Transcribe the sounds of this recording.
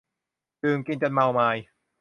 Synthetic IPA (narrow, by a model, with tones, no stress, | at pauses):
tɯː˨˧˩ŋki˧nt͡ɕa˧nma˧wmaː˧j